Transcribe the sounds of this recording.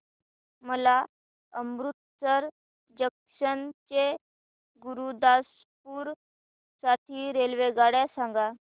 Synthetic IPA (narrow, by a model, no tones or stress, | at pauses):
məla | əmɾut̪̚səɾ | d͡ʑəkʂənt͡ɕe | ɡuɾud̪as | puːɾ | saʈʰiːɾelʋeɡaɽjasãŋɡa